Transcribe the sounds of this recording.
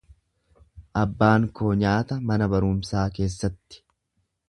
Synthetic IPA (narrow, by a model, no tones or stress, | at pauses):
ʔɐbːaːŋkoːɲaːt̪ɐmɐnɐbɐɾʊmsaːke̞ːsːɐt̪ːɪ̥